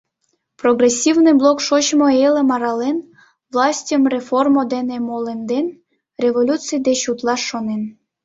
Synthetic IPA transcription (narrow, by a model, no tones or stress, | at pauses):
proɡresʲːivnɨjblˠokʃot͡ɕmoelĕmɑɾɑlen | vlˠɑsʲtʲəmrʲeformod̪enemolend̪en | rʲeβolʲut̪t͡sɨjd̪et͡ɕut̪lˠɑʃːonen